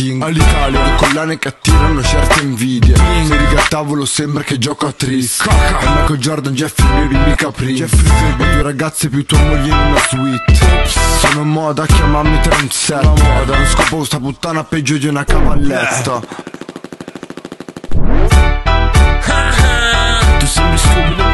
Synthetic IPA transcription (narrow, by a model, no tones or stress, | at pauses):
iŋalːit̪aːljalekolːaːnekeat̪ːiːɾanːot͡ʃɛrt̪eiɱviːd̪jeŋdid̪at̪ːavolosɛmpɾeked͡ʒːɔːkat̪ːɾisamːiːkod͡ʒɔrd̪and͡ʒɛfːimelimikapɾiɛfɾifibopuɾaɡat̪sːepjut̪ːuamoʎːed̪unazwit̪ːsoːnomɔːd̪akjamamːit̪ɾonsɛomɔːd̪anoskɔpokust̪aput̪ːaːnapɛd͡ʒːod̪iunakavalːɛt̪ːa | t̪isɛmisubil